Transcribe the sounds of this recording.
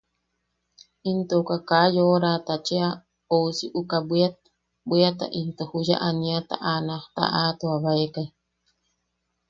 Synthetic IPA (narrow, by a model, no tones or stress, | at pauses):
int̪oukakajoɾat̪at͡ʃea | ousiʔukabʷa | biat̪a̰ʔint̪ohuja̰ʔaniat̪a̰ʔanaht̪a̰ʔaːt̪uaβaekaj